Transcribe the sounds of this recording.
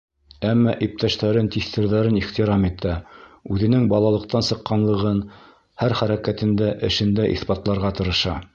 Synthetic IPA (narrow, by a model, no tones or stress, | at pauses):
æmːɑʔip̚t̪æʃt̪æɾɘnt̪iθt̪ɘ̆ɾðæɾɘniχt̪iɾɑmit̪æʉðɘ̆nɘŋbɑlˠɑlˠɤ̆q̚t̪ɑnsɤ̆qːɑnlˠɤ̆ʁɤn | hæɾχæɾækæt̪ɘ̆nd̪æʔɘ̆ʃɘ̆nd̪æʔḭθpɑt̪lˠɑɾʁɑt̪ɤ̆ɾɤ̆ʃɑ